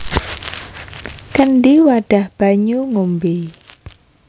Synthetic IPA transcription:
kənɖiwaɖ̥a̤hb̥a̤ɲuŋumbi

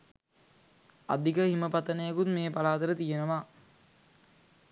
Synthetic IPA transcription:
a̰d̪ikəhiməpat̪ənəjekut̪meːpalaːt̪əɾət̪ijenəʋaː

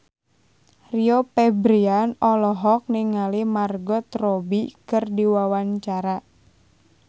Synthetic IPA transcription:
riopɛbɾianɔlɔɦɔk̚niŋalimarɡɔt̪robikɨrdiwawaɲt͡ʃaɾa

